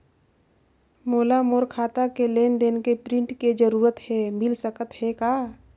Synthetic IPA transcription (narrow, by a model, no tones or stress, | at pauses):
moːlamoːɾkʰaːt̪akeleːnd̪eːnkepɾɪ̃ɳʈked͡ʒəɾuːɾət̪hɛmɪlsəkət̪hɛkaː